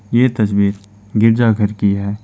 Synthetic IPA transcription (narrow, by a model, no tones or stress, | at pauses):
jet̪ɐsbiːt̪ | ɡɪɾd͡ʒaɡʱɐɾkiɦɛː